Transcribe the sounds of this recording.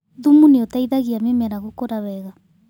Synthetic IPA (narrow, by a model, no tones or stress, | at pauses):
ðumuneotaiðaɣiamemɛɾaɣukoɾaβɛɣa